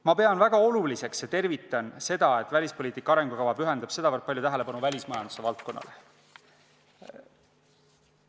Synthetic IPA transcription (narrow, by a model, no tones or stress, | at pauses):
mɑpe̞ɑnvæɡ̥ɑo̞lulise̞ksjɑt̪e̞rvit̪ːˑɑnse̞d̪̥ɑe̞t̪ːˑvælʲispo̞liːt̪ːˑikːˑɑɑɾe̞ŋɡ̥ukɑvɑpyɦe̞nd̪̥ɑb̥se̞d̪ɑvɤrt̪̚pɑljot̪æɦele̞pɑnuvælʲismɑjɑnd̪use̞vɑlt̪̚ko̞nːɑ̰le